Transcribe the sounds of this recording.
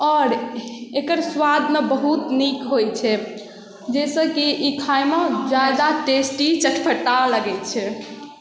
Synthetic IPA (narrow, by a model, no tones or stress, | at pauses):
ɔɾekəɾswad̪ʱmebəɦut̪nikɦojt͡ʃʰɛ | d͡ʒɛsə̃kiikʰajmãd͡ʒad̪aʈesʈit͡ʃəʈʰpʰəʈaləɡɛt͡ʃʰɛ